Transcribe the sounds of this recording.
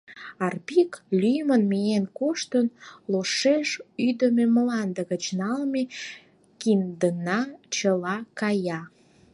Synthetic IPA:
ɑrpiklʲyjmənmijenkoʃt̪ənloʃeʃyd̪əmemlɑnd̪əɣət͡ɕnɑlme | kimd̪ənɑt͡ɕəlɑkɑjɑ

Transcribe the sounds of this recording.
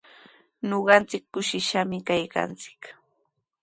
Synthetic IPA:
ɲoɢɑnt͡sɪkːʊʃɪʃamɪkajka̰nt͡sɪ̥k

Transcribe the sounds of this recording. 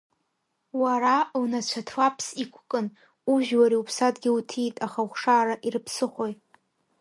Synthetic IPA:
waɾalnat͡ɕʷʰatʰwapʰsikʷʰkʼɨn | uʒᶣwaɾiupʰsadɡʲɪutʰijtʼaχawχʂaːɾaʔiɾɨpʰsɨχʷo̞jʼ

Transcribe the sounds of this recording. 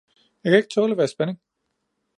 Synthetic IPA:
jɑakʰæe̝ɡ̥̚t͡sʰoːləʋæɐsb̥eneŋ

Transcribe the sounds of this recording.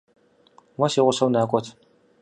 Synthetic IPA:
wɐsiːʁʷʊsɐwnaːkʷʼɔtʰ

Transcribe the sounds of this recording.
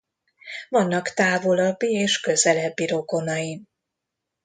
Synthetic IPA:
vɒnːɒkt̪aːvo̞lɒbːieːʃkø̞zɛlɛbːiɾo̞ɡo̞nɒjin

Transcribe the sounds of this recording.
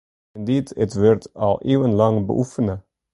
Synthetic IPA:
ɛnditə̰tʋørtɑ̰lˠʔeːwənlɑŋbə̰ʔufənə

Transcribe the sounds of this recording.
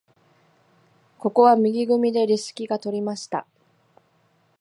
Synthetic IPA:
ko̞ko̞βamʲiɡʲiɡɯ̟mʲid̪e̞ɾʲisɨ̥kʲiɡat̪o̞ɾʲimaɕi̥t̪a

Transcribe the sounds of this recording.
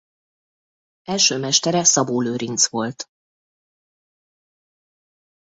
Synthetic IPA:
ɛlʃøːmɛʃt̪ɛɾɛsɒboːløːɾint̪sʋo̞lt̪

